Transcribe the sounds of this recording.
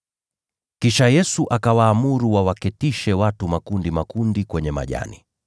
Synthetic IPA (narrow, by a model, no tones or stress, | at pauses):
kiʃajɛsuʔakawaːmuɾuwawakɛtiʃɛwatumakundimakundikwɛɲɛma̰ʄa̰nḭ